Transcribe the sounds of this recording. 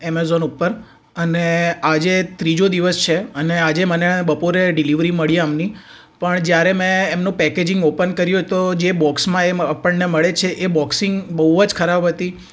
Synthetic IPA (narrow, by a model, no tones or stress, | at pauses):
emezonupːəɾ | ənead͡ʒet̪ɾid͡ʒod̪iʋəst͡ʃʰeənead͡ʒemənebəpoɾeɖɪliʋɾiməɭiamni | pəɳd͡ʒjaɾemɛ̃emnũpɛked͡ʒɪ̃ŋɡopənkəɾjũt̪od͡ʒebɔksmãeəpəɳneməɭet͡ʃʰeʔebɔksɪŋɡbəɦuəd͡ʒkʰəɾabɦət̪i